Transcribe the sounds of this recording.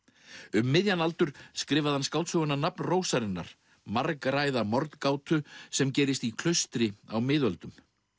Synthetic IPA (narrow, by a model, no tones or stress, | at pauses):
ʏmːɪðjanalt̪ʏɾ̥skɾɪːvaðhanskawt̪sœɣʏnanapnroːwsaɾɪnːa̰ɾ̥ | maɾkɾajðamɔɾt̪kaːwt̪ʏsɛmcɛːɾɪst̪ikʰl̥œst̪ɾɪawmɪːðvœlt̪ʏm